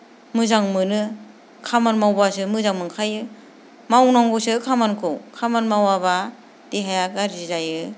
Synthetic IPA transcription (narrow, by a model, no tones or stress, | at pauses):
mɯzaŋmɯnɯ | kʰamanmawbasɯmɯzaŋmɯŋkʰajɯ | mawnaŋɡɯsɯkʰamankʰɯwkʰamanmawaba | d̥iɦajakaɾizajɯ